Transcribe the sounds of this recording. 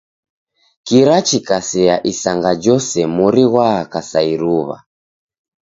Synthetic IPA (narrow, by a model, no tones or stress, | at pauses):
kiɾat͡ʃikasɛaʔisaŋɡad͡ʒɔsɛmuɾiɣwaːkasaiɾuβa̰